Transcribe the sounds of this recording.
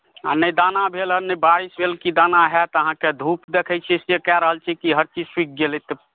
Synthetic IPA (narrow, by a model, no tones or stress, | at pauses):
a̰nəjd̪anabʱeləɾnəjbaɾisbʱelkid̪anaɦɛt̪ɔəɦãked̪ʱupd̪ekʰət͡ʃʰɛsekɛɾəɦəlt͡ʃʰikiɦəɾt͡ʃid͡ʒswik̚ʰɡelet̪ɔ